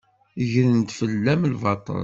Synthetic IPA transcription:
ʝɾənt̪fəlːæmlvɑt̪ˤːɑ̰

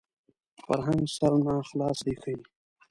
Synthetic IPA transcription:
fa̰ɾɦãŋɡsaɾnãːxlɑːsixəi

